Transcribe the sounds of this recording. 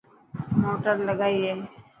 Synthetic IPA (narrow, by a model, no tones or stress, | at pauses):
moːʈəɾləɡaːiɛː